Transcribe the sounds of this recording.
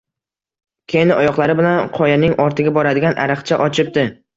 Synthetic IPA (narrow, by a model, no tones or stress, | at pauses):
kʲʰejnɪʔɒjɒqlˠaɾɪbɪlanqʰɒjanɪŋɒɾt̪ʰɪɡʲabɒɾad̪ɪɡʲanʔa̰ɾɨχt͡ʃʰaʔɒt͡ʃʰɪp̚d̪ɪ